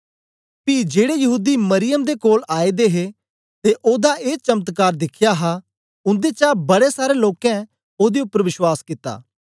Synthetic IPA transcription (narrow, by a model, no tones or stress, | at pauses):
pid͡ʒeːɽejɐɦuːd̪imɐɾɪjəmd̪ekoːlaːed̪eɦe | t̪eʔoːd̪aʔeːt͡ʃɐmt̪kaːɾd̪ɪkʰjaɦa | ʊ̃nd̪et͡ʃaːbɐɽesaːɾeloːkɛ̃ | oːd̪eʊpːəɾʋɪʃwaːskɪt̪a̰ː